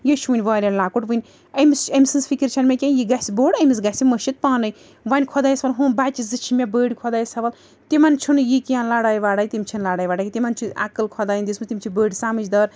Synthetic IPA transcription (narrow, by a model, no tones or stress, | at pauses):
jeʃʰʋɨnʲʋaːɾʲɐnlaːkuʈʋɨnʲ | ɐmisɐmisɨnsfikiɾt͡ʃʰɐnmʲekʲanjiɡɐsʲiboːɽɐmisɡɐsʲiməʃit̪̚paːnɐj | ʋɐnʲkʰɔd̪aːjisʋɐlɦuːnbat͡ʃizɨt͡ʃʰimʲebəːɽʲikʰɔd̪aːjisɐʋɐl | t̪imɐnt͡ʃʰunjikijãːnlaːɽaːjiʋaːɽaːjʲit̪imʲt͡ʃʰinlaːɽaːjʋaːɽakʲit̪imɐnt͡ʃʰuɐ̰kɨlkʰɔd̪aːjind̪ismɨt̪imʲt͡ʃʰibəːɽʲisaːmɨt͡ʃd̪ɐːɾ